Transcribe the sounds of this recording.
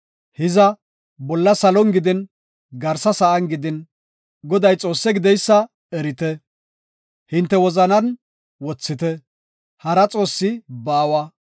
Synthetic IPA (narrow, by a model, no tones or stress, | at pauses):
hɪzɐ | bɔlːɐsɐlɔnɡɪd̪ɪn | ɡɐɾsɐsɐʔɐnɡɪd̪ɪn | ɡɔd̪ɐjt͡sʼo̞ːsːɛɡɪd̪ɛjsːɐ | ɛɾɪt̪ɛ | hɪnt̪ːɛwɔzɐnɐn | wɔt͡sːɪt̪ɛ | hɐɾɐt͡sʼo̞ːsːɪbaːwɐ